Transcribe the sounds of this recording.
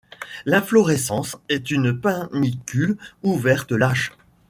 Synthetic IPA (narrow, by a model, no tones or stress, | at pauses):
lɛ̃flɔʁɛsɑ̃sɛt̪ynpɛ̃nikʲyluvɛʁt̪əlaʃ